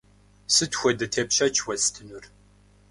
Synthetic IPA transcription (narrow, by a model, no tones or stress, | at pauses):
sɨtxʷɔdɐtʰepɕɐt͡ʃʰwɐstʰɨnʊr